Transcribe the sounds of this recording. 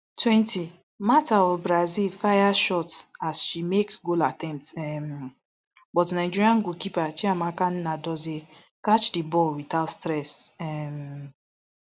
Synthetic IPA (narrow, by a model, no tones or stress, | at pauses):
twɛ̃nti | mataɔbɾazilfajaʃɔtasʃimekɡolatɛ̃mp̚tɛm | bɔtnaɪd͡ʒiɾiãnɡokipat͡ʃiamakannadɔze | kat͡ʃdibɔlwitatstɾɛsɛm